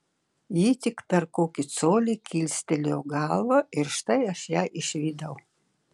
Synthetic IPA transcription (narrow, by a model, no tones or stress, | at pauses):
jiːt̪ʲɪkt̪ɐɾkoːkʲɪt̪soːlʲikʲilʲsʲt̪ʲɛlʲoːɡɑlˠʋɐʔɪɾʃt̪ɐɪɐʃjæːʔɪʃʲʋʲiːd̪ɐʊ